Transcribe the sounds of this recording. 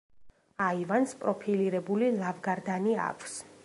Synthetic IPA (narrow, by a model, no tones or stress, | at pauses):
aivanspʼɾɔpʰiliɾɛbulilˠavɡaɾd̪ania̰kʷʼʰs